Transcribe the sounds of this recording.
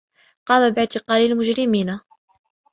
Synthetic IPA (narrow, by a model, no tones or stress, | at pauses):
qɑːmabɪʕt̪ɪqɑːlalmʊd͡ʒɾɪmiːna